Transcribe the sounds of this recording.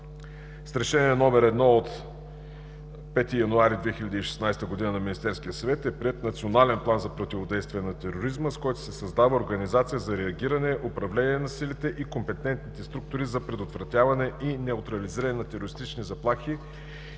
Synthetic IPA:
st̪ɾɛʃɛnʲiɛnɔmɛɾɛd̪nɔot̪ | pɛt̪ijɐnuaɾid̪vɛxiʎʲɐd̪iːʃɛ̥snajst̪əɡʊd̪inənɐminist̪ɛɾskijəsɐvɛt̪ɛpɾiɛt̪nɐt̪sionalɛnplˠanzɐpɾot̪ivod̪ɛjst̪vʲijɛnɐt̪ɛɾoɾizməskɔjt̪ʊ̥sɛsɐzd̪avəoɾɡɐnizat̪sijəzɐɾɛɐɡʲiɾɐnɛʔopɾɐvlɛniɛnɐsilit̪ɛʔikompɛt̪ɛnt̪̚nit̪ɛst̪ɾuk̚t̪ʊɾizɐpɾɛd̪ot̪vɾɐt̪ʲjavɐnɛʔinɛʊt̪ɾɐliziɾəɐnɛnɐt̪ɛɾoɾist̪it͡ʃnizɐplˠaxi

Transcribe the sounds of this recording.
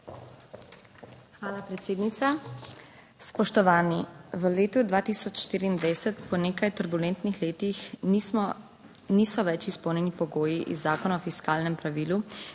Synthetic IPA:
xʋaːlapɾɛt̪seːd̪nit̪sa | spɔʃt̪ɔʋaːniʋəleːt̪ud̪ʋaːt̪iːsɔt͡ʃʃt̪iːɾiːnd̪ʋajsɛt̪pɔneːkajt̪əɾbulɛnt̪nixleːt̪ix | niːsɔʋɛt͡ʃispɔwnʲjɛnipɔɡoːjiʔḭzːaːkɔnaɔfiskaːlnɛmpɾaʋiːlu

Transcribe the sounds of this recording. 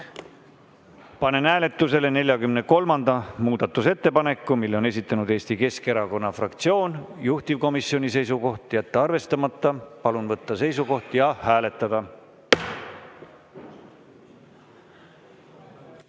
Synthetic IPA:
pɑne̞næːle̞t̪ːˑuse̞le̞ne̞lʲjɑkymne̞ko̞lmɑnd̪̥ɑmuːd̪̥ɑt̪ːˑuse̞t̪ːe̞pɑne̞kːˑumilːeo̞ne̞s̬ʲit̪ːˑɑnud̪̥e̞ːsʲt̪ike̞ske̞ɾɑko̞nːɑfrɑkt̪sio̞ːnjuht̪ivko̞misio̞nʲise̞js̬uko̞ht̪ˑjæt̪ːeɑrve̞st̪ɑmɑt̪ːɑpɑlunvɤt̪ˑːɑse̞js̬uko̞ht̪jɑhæːle̞t̪ːˑɑd̪̥ɑ

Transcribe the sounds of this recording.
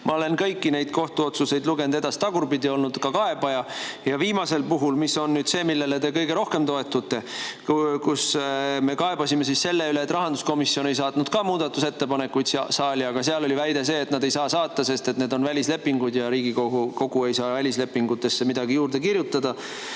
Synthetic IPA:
mʔɑo̞le̞nkɤjkːine̞jd̪̥ko̞ht̪uo̞t̪suse̞jd̪luɡe̞nud̪e̞d̪ɑst̪ɑɡ̥urbid̪io̞lnud̪̥kɑkɑe̞bɑjɑjɑviːmɑse̞lpuɦulmiso̞nːyːd̪se̞ːmilːe̞let̪e̞kɤjɡe̞ɾo̞hke̞mt̪o̞e̞t̪ːˑut̪ːe̞ | kusme̞kɑe̞bɑsimesisse̞lːe̞yleːt̪ːˑrɑɦɑnd̪usko̞misːio̞ne̞js̬ɑːt̪nud̪̥kɑːmuːd̪̥ɑt̪ːˑuse̞t̪ːe̞pɑne̞kːujd̪sɑːlʲiɑɡ̥ɑseɑlo̞livæjd̪e̞se̞ːt̪nɑd̪e̞jsɑːsɑːt̪ːˑɑse̞st̪e̞t̪ne̞ːd̪o̞nvælʲisle̞pːiŋɡ̥ud̪jɑɾiːɡioko̞ɡ̥ue̞jsɑːvælʲisle̞pːiŋɡut̪ːˑe̞sːe̞mid̪̥ɑɡijuːrd̪e̞kirjut̪ːˑɑd̪̥ɑ

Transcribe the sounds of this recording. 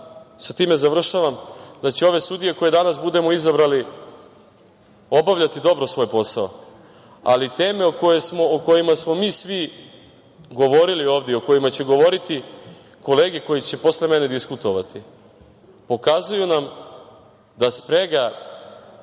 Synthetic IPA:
sat̪iːme̞zar̩ʃaʋamd̪at͡ɕeo̞ʋe̞st̪ud̪ije̞ko̞je̞d̪anas̬bud̪e̞mo̞izabɾali | o̞baʋʎat̪id̪o̞bɾo̞sʋo̞ːjpo̞sao | a̰lit̪e̞ːme̞okojesmo̞oko̞jimasmo̞miːsʋi | ɡo̞ʋo̞ɾilio̞ːvd̪eo̞ko̞jimat͡ɕe̞ɡo̞ʋo̞ɾit̪i | ko̞le̞ːɡeko̞jit͡ɕe̞po̞sle̞mene̞d̪iskut̪o̞ʋat̪ʰi | po̞kazujunam | d̪aspɾe̞ɡa

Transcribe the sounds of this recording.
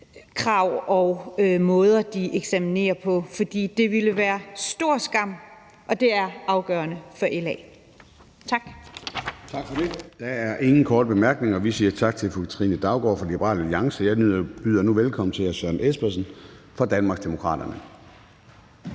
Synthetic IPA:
kʰʁɑ̈ʊ̰ɒʊmɔ̽ːð̞ˠɐd̥iʔeɡ̥sæmine̝̰ːɐpʰɒ̽fɒ̽d̥ḭːd̥e̝ʋiləʋæːɐsd̥o̝ɐ̰sɡ̥ɑ̈m̰ | ʔɒ̽d̥e̝æɐɑ̈ʊɡ̥œːɐnəfɒʔelɛ̰ː | t͡sʰɑ̈ɡ̥ | t͡sʰɑɡ̥fɒded̥ææɐʔe̝ŋn̩kʰɒːd̥əb̥e̝mæɐɡ̥ne̝ŋɒ̽ʋisiːɐt͡sʰɑ̈ɡ̥̚t͡sʰe̝lfu̥t͡sʰʁinəd̥ɑ̈ʊɡ̥ɒ̰ːfɒlib̥əʁɑ̰ːlæliɑ̈ŋsəjɑ̈ɪyb̥yð̰ˠɐnuʋelkʰɒ̽m̰n̩t͡sʰe̝æɕœɐnesb̥ɐsən̩fɒ̈d̥ænmɑ̈ɡsd̥emo̝kʰʁɑ̰̈ːd̥ɐnə

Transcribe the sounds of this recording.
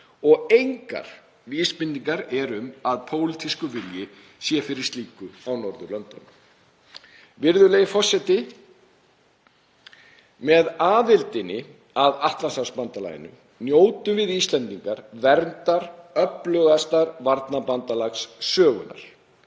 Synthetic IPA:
ɔɣejŋka̰ɾ̥ | viːspɪnt̪ːiŋkaɾɛɾʏmaðpʰoːwlit̪ʰiskʏvɪljɪ | sjɛfɪɾɪɾst̪liːkʏawnɔɾðʏlœnt̪an | vɪɾðʏlejɣɪfɔr̥sɛt̪ɪ | mɛðaːðɪlt̪ɪnɪ | aðaht̪lansaspant̪ala̰jɪ̰nʏ̰ | njoːwt̪ʏmvɪðist̪lɛnt̪iŋkaɾ̥vɛɾnt̪aɾœplœɣast̪aɾvaɾt̪napant̪alaxsːœːɣʏna̰ɾ̥

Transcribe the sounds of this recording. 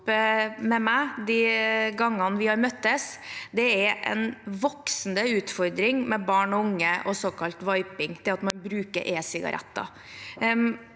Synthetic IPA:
pmɛmæd̪iɡɑŋːɑnʋɪhɑɾmœt̪ːəsd̪ɛæɾɛ̰nʋɔksnd̪əʉːt̪fɔɾd̪ɾɪŋmɛbɑːɳɔʊŋːəʔɔsɔkʰɑlt̪ʋɑɪpɪŋt̪ʰɪlɑt̪mɑnbɾʉːkə̰ɾʔeːsɪɡɑ̰ɾʔɛ̰t̪ːɑ̰

